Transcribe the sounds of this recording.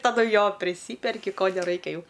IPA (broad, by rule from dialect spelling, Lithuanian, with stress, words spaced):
tɐˈdʊ ˈjoː pʲrʲɪˈsʲiːpʲɛrʲkʲɪ ˈkoː nʲɛˈrɐɪkʲɛ ˈjɛʊ